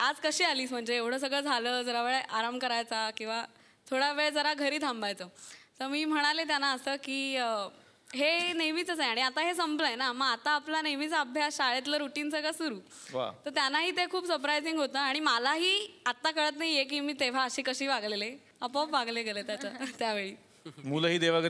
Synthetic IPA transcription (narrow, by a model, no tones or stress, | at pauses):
ad͡zkəɕiːaliːsm̤əɳd͡zeeʋɽ̤əːs̬əɡɭəd͡zʱaləːd͡zəɾaʋeɭeʔaɾamkəɾajt͡sakĩw̃ʋa | t̪ʰoɽjaʋeɭed͡zəɾaɡʱəɾiːt̪ʰãmbajt͡səːt̪əɾmiːm̤əɽ̃alet̪janːaəsəːkiː | ɦenemiːt͡səsajaɽ̃iat̪aɦesəmpləjnaməɡat̪aːplanemit͡saːbʱjasɕaɭet̪̬ləɾuʈiːnsəɡɭasuɾuː | ʋa̰t̪əɾt̪janːaɦiːt̪ekʰuːpsəɾpɾajd͡ziŋɡɦot̪əːaɽ̃imalaɦiːat̪ːakəɭət̪naɦijek̬iːmiːt̪eʋ̤aəɕiːkəɕiːʋaɡlele | əpɔpʋaɡleɡʱelet̪jat͡sat̪jaʋeɭiː | muləɦiːd̪eʋ̤aɡ